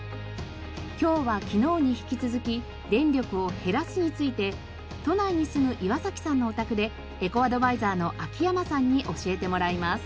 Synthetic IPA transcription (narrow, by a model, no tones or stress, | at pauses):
kʲo̞ːβakʲino̞ːɲ̟içi̥kʲit͡sɨzɨkʲi | d̪ẽ̞nɾʲo̞kɯ̟o̞he̞ɾasɨɲ̟it͡sɨit̪e̞ | t̪o̞naiɲ̟isɨmɯ̟ʔiβasakʲi̥sãnːo̞ːt̪akɯ̟d̪e̞ | eko̞ad̪o̞baizaːno̞ʔakʲijamasãɲ̟ːiʔo̞ɕie̞t̪e̞mo̞ɾaimasɨ̥